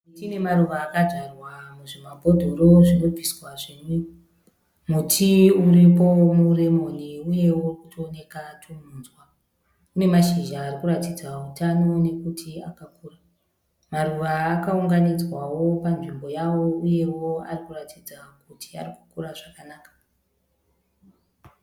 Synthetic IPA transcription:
tine̞maruʋaːkaʐarwamuʐimabʱo̞dʱoɾo̞ʐino̞bʱiswaʐinu | mutʰiuripo̞mure̞mo̞niuje̞wokutoːne̞katʰumunzwa | une̞maʃiʒaːɾikuɾatid͡zautano̞ne̞kutʰia̰kakuːra | maruʋaːkauŋɡanid͡zwawo̞panʐimbo̞jawo̞uje̞wo̞a̰rikuratʰid͡zakutʰia̰riku̥kuraʐakanaːkḁ

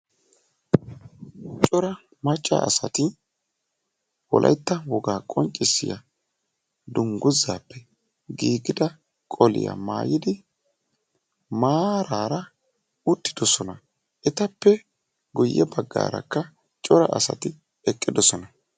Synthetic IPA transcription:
t͡ʃʼɔɾɐ | mɐt͡ʃʼːa̰ʔːsɐt̪ɪ | wɔlʔɐ̰jt̪ːɐwɔɡaːkʼɔnt͡ʃʼːɪsːɪjɐ | d̪ʊŋɡʊzːaːpːɛ | ɡiːɡɪd̪ɐ | kʼɔlɪ̰ja̰ma̰ːjɪd̪ɪ | maːɾaːɾɐ | ʊt̪ːɪ̥d̪ɔsɔnɐ | ʔɛt̪ɐpːɛ | ɡʊjːɛbɐɡːa̰ːɾɐ̰kːɐ | t͡ʃʼɔɾɐ̰ʔɐsɐ̰t̪ɪ | ɛkʼːɪd̪ɔsɔnɐ

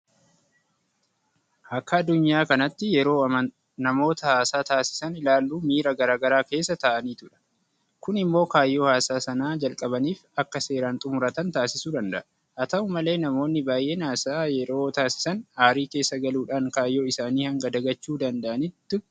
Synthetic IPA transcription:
ʔɐkːɐːd̪ːʊɲːaːkɐnɐt̪ːɪjɛɾo̞ːɐɐ | nɐmo̞ːt̪ɐhaːsaːt̪aːsɪ̥sɐnɪlaːlːuːmiːɾɐɡɐɾaːɡɐɾaːke̞ːsːɐt̪ɐʔɐniːt̪ʊᶑɐ̥ | kʊnɪmːo̞ːkaːjːo̞ːhaːsaːsɐnaːd͡ʒɐlkʼɐbɐniːfɐkːɐse̞ːɾaːnt̪ʼʊmʊɾɐt̪ɐnt̪aːsɪsuːd̪ɐnd̪ɐʔɐ | ʔɐt̪ɐʊmɐle̞ːnɐmo̞ːnːɪbaːjʔe̞ːnaːsajɛɾo̞ːt̪aːsɪ̥sɐnaːɾiːke̞ːsːɐɡɐluːᶑaːŋkaːjːo̞ːɪsaːniːhɐŋɡɐd̪ɐɡɐt͡ʃːuːd̪ɐnd̪ɐʔɐnɪt̪ːɪ

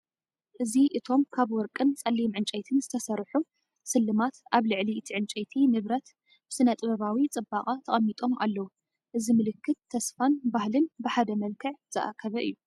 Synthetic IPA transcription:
ʔɨziʔɨt̪ʰo̞mkʰaβwɔɾkʼɨnt͡sʼɐlːimʕɨnt͡ʃʼɐjt̪ʰɨnzɨt̪ʰɐsɐɾħu | sɨlːɨmat̪ʔaβlɨʕliɨt̪ʰiʕɨnt͡ʃʼɐjt̪ʰinɨβɾɐt̪ | b̥ɨsɨnɐt̪ʼɨβɐβawit͡sʼɨbaχʼat̪ʰɐχʼɐmːit̪ʼo̞mʔa̰lːɐwu | ʔɨzimɨlɨkʰːɨt̪ʰːɐsfanbahlɨnbɨħad̪ɐmɐlkʰɨʕz̥ɨʔa̰kʰɐβɐʔɨ̰jːu

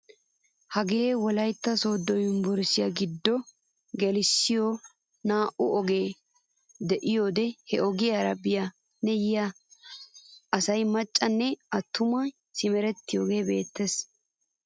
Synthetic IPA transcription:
hɐɡeːwɔlɐjt̪ːɐsoːd̪ːɔjʊnbɔɾsɪjɐɡɪd̪ːɔ | ɡɛlɪsːɪjo | naːʔʊɔɡeː | d̪ɛʔɪjo̞ːd̪ɛhɛʔɔɡɪjaɾɐbɪja | nɛjɪja | ɐsɐjmɐt͡ʃʼːɐnːɛɐt̪ʰːʊmɐ | sɪmɛɾɛt̪ːɪjoːɡe̞ːbe̞ːt̪ːes

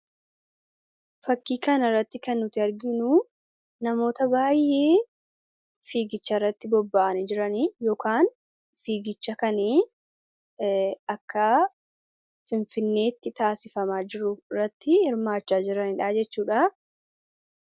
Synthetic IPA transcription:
fɐkːiːkɐnɪrːɐt̪ːɪkɐnːʊt̪ɪɐɾɡɪnuː | nɐmo̞ːt̪ɐbaːjːe̞ː | fiːɡɪt͡ʃːɐɪrːɐt̪ːɪbɔbːaːɐnɛd͡ʒɪɾɐnijɔːkaːn | fiːɡɪt͡ʃːɐkɐniː | ɐkːɐ | fɪnfɪnːe̞ːt̪ːɪt̪aːsɪfɐmaːd͡ʒɪɾʊɪrːɐt̪ːɪhɪɾmaːt͡ʃːaːd͡ʒɪɾɐnɪᶑaːd͡ʒɛt͡ʃːuːᶑaː

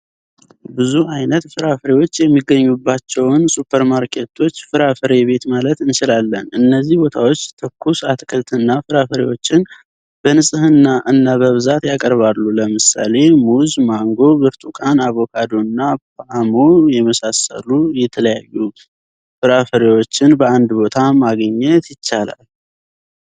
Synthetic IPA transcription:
bɨzuʔajnət̪fɨɾafəɾewo̞t͡ʃːjɛmːiɡəɲːubːat͡ʃːɛwnsupʰəɾmaɾkʰe̞t̪ʰo̞t͡ʃːfɨɾafəɾe̞βe̞t̪malət̪ɨnʃɪlalːənɨnːəzːihbo̞t̪ʰawo̞t͡ʃːt̪ʰəkʰːusat̪ʰkʰəlt̪ʰɨnːafɨɾafəɾḛwo̞t͡ʃːɪn | bənɨsʼɨhɨnːaʔɨnːaβəβɨzat̪jakʼəɾβalːuləmɨsa̰le̞muzmaŋɡo̞bɨɾt̪ʼukʼanaβo̞kʰad̪o̞nːapamo̞jɛməsasə̰lujɛt̪ʰələjajːu | fɨɾafəɾewo̞t͡ʃːɪnbəand̪bo̞t̪ʰamaɡəɲːɛt̪jɪt͡ʃːala̰l

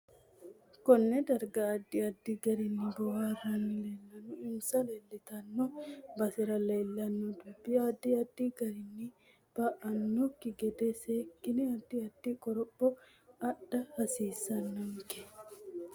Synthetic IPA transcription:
kɔnːɛd̪ɐɾɡɐːd̪ːɪɐd̪ːɪɡɐɾɪnːɪbɔwaːrɐnleːlːɐnʊɪmsɐleːlːɪt̪ɐnːɔbɐsɪɾɐleːlːɐnːɔd̪ʊbːɪjɐːd̪ːɪɐd̪ːiɡɐɾɪnːɪ | b̥ɐʔɐnːɔkːɪɡɛd̪eseːkːɪnɛɐd̪ːɪɐd̪ːɪkʼɔɾɔbːɔ | ɐɗːɐhɐsiːsːɐnːɐŋkɛ̥

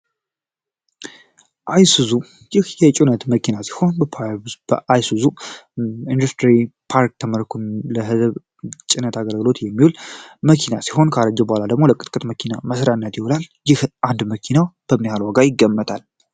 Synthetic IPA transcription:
ʔajsuzu | jɪhjɛt͡ʃʼunət̪məkʰinasi̥ho̞nbəpʰab̥əʔajsuzu | ind̪ust̪ʰɾipʰaɾk̚t̪ʰəməɾkʰunləɦɨzβ | t͡ʃʼɪnət̪aɡəlɡɨlo̞t̪jɛmːihulməkʰinasi̥ho̞nkʰəaɾəd͡ʒɛbəhalad̪əɡmo̞ləkʼːɨt̪ʼkʼɨt̪məkʰina̰məsɾanːət̪jɪwolaljɪhʔand̪məkʰinawb̥əmnihalwaɡajɪɡːəmːət̪ʼal

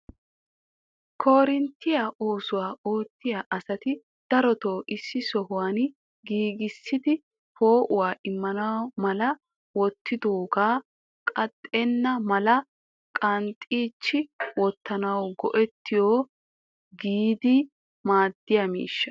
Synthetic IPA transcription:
kʰo̞ːɾɪnt̪ːɪjaʔoːsʊwaːʔo̞ːt̪ːɪjaːʔɐsɐt̪ɪ | d̪̥ɐɾɔt̪oːʔɪsːɪsɔɦʊwaːn | ɡiːɡɪsːɪd̪ɪ | po̞ːʔʊwaːʔɪmːɐnɐwmɐlɐ | wɔt̪ʰːɪd̪oːɡaː | kʼɐt̪ʼːɛnːɐmɐlɐ | kʼɐnt̪ʼiːt͡ʃːɪwɔt̪ʰːɐnɐwɡɔʔɛt̪ːɪjoː | ɡiːd̪ɪ | maːd̪ːɪjɐmḭːʃːɐ̥

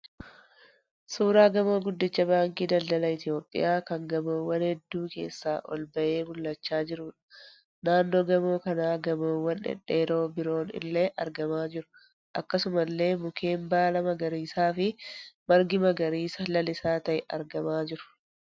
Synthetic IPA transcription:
suːɾaːɡɐmo̞ːɡʊd̪ːɪt͡ʃːɐbaːŋkʼiːd̪ɐld̪ɐlɐɪt̪ɪjo̞ːpʼːɪ̰jʔaːkɐŋɡɐmoːwːɐnhɛd̪ːuːke̞̰ːsːaːʔɔ̰lbɐʔe̞ːmʊlːɐt͡ʃːaːd͡ʒɪɾʊːᶑɐ̥ | naːnːo̞ːɡɐmo̞ːkɐnaːɡɐmoːwːɐnɛ̰ᶑːeːɾo̞ːbɪɾo̞ːnɪ̰lːe̞ːʔɐɾɡɐmaːd͡ʒɪɾʊ̥ | ʔɐkːɐsʊmɐlːe̞ːmʊkʰe̞ːmbaːlɐmɐɡɐɾiːsaːfɪmɐɾɡɪmɐɡɐɾiːsɐlɐlɪsaːt̪ɐʔɛʔɐ̰ɾɡɐmaːd͡ʒɪɾʊ̥

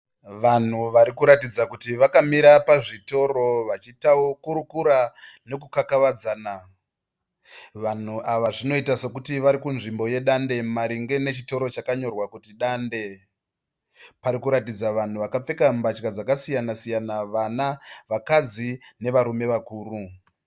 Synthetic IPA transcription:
ʋan̤uʋaɾikuɾatid͡zakutiʋakamiɾapaʐito̞ɾo̞ʋat͡ʃitaokuɾukuɾane̞kukakaʋad͡zaːna | ʋan̤uʔaʋaʐino̞itase̞kutiʋaɾikunʐimbo̞je̞ɗande̞maɾiŋɡe̞ne̞t͡ʃito̞ɾo̞t͡ʃakaɲo̞rwakutiɗaːnde̞ | paɾikuɾatid͡zaʋan̤uʋakap͡fe̞kambat͡ʃkad͡zakasijanasijanaʋanaʋakad͡zine̞ʋaɾume̞ʋakuːru

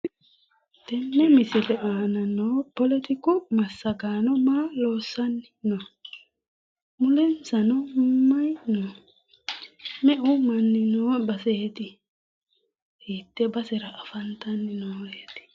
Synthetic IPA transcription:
t̪ɛnːɛmɪsɪlɛʔaːnɐnoːpɔlɛt̪ɪkʊmɐsːɐɡaːnɔmaːloːsːɐnɪno | mʊlɛnsɐnɔmɐjno | mɛʔʊmɐnːɪnoːbɐseːt̪ɪ | hiːt̪ːɛbɐsɛɾɐʔɐfɐnt̪ɐnːɪnoːjet̪ɪ̥

